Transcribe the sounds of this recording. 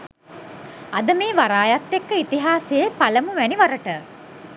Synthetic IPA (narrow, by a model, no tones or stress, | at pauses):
ad̪əmeːʋaɾaːjat̪ːekːəit̪iɦaːseepaləmuʋæniʋaɾəʈə